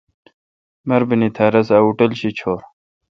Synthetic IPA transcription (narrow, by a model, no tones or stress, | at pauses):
mɐɾbinit̪ʰaːɾɐsɐuʈɐlɕit͡ɕʰoːɾ